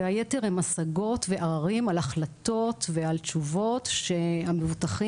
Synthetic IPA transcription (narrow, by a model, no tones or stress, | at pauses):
eajeteʁhemasaɡo̞tveʔaʁaʁimalaχlat̪o̞tvealt͡ʃuvo̞tʃeamevutaχi